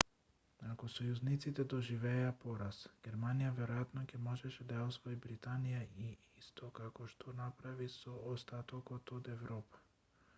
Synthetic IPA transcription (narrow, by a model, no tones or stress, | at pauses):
akɔsɔjuznit̪sit̪ɛd̪ɔʒivɛːapɔɾasɡ̥ʲɛɾmanijavɛɾɔjat̪nɔcɛmɔʒɛʃɛd̪ajaɔsvɔibɾit̪anijai | ist̪ʰɔkakɔʃt̪ʰɔnapɾavisɔːst̪at̪ɔkɔt̪ɔd̪ɛvɾɔpḁ